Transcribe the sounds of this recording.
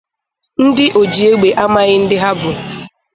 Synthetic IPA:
n̩˦dɪ˦ʔo˨d͡ʒi˨e˦ɡ͡be˨ʔa˦ma˦ɣɪ˦n̩˦dɪ˦ɦa˦bʊ˨

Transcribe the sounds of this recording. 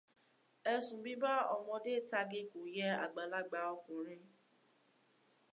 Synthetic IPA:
ɛ˧sũ˨bĩ˨˦ba˦ɔ˧˨mɔ̃˧de˦˨ta˧ɡi˦ko˨jɛ˦a̰˨ɡ͡ba˨la˦ɡ͡ba˧ɔ˧kũ˨ɾ̃ĩ˧

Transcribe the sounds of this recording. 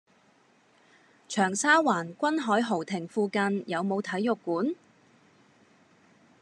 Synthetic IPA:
t͡ʃʰœː˨˩ŋsaː˥waː˨˩nkʷɐ˥nɦɔː˨˥jɦo˨˩wt̪ʰɪ˨˩ŋfuː˧kɐ˧njɐ˨˧wmo˨˧wt̪ʰɐ˨˥jːʊ˨kːuː˨˥n

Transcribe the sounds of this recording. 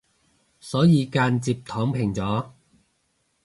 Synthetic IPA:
sɔː˨˥jiː˨˧kaː˧nt͡siː˧p̚t̪ʰɔː˨˥ŋpʰɪ˨˩ŋt͡sɔː˨˥

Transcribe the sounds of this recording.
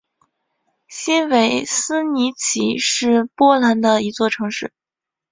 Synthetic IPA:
ɕi˥nwe˧˥ɪsɹ̩˥ni˧˥t͡ɕʰi˧˥ʂɻ̩˥˩pwɔ˥la˧˥nd̪ə˧i˧˥t͡swɔ˥˩ʈ͡ʂʰɤ˧˥ŋʂɻ̩˥˩

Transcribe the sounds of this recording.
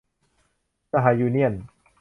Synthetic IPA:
sa˧ɦaː˨˦juː˧ni˥˩ən

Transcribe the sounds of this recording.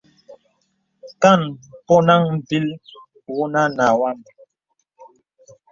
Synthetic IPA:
ka˦˨npɔ˦na˦ŋ˨bi˦l | wu˦na˦na˨wa˦˨n

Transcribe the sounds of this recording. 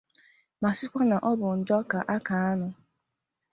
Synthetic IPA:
ma˨sɪ˦kʷa˦na˨ʔɔ˦bʊ˨n̩˨dɔ˦ka˨ʔa˦ka˨a˦nʊ˨

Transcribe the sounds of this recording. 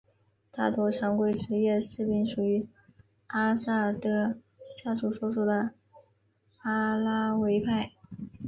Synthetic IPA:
t̪ʰa˥˩t̪wɔ˧˥ʈ͡ʂʰjɑ˧˥ŋkwe˥˩ɪʈ͡ʂɻ̩˧˥jɛ˥˩˧ʂɻ̩˥˧pi˧˥ŋʂu˨˩y˧˥ | a˥sa˥˩t̪ɤ˥ | ɕja˥˩ʂu˥˩ʂwɔ˥ʂu˥˩d̪ə˩ | a˥la˥we˧˥ɪpʰa˥˩ɪ

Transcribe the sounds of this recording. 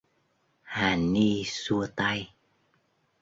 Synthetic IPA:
haː˨˩ni˧su˧ət̪a˧j

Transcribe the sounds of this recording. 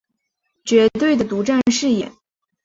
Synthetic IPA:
t͡ɕɥɛ˧˥t̪we˥˩ɪd̪ə˩t̪u˧˥ʈ͡ʂa˥˧nnʂɻ̩˥˩jɛ̰˨˩˦n

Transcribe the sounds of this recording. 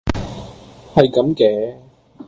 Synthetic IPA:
hɐ˨jkɐ˨˥mkɛː˨˥

